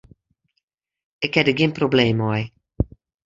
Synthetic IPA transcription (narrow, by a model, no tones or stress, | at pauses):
ɪkhɛdəɡɪnprobleːmɔj